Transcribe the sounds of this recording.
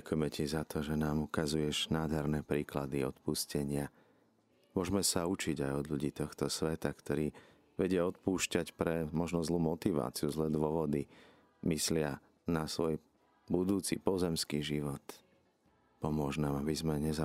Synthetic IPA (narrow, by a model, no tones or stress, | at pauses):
akujɛmɛcizat̪ʰɔʒɛnaːmukazujɛʒnaːd̪ɦɛɾnɛpɾiːklad̪iɔt̪puscɛɲɪa | mʊɔʒmɛsaut͡ʃiɟajɔd̪ʎuɟiːt̪ɔxt̪ɔsʋɛt̪akt̪ɔɾiː | ʋɛɟɪɛɔt̪̚puːʃcacpɾɛmɔʒnɔzluːmɔt̪iʋa̰ːt͡siuzlɛːd̪ʋʊɔʋɔd̪i | mislɪa | nasʋɔj | bud̪uːt͡sḭpɔzɛmskiʒiʋɔt̪ | pɔmʊɔʒnaːmabizmɛɲɛza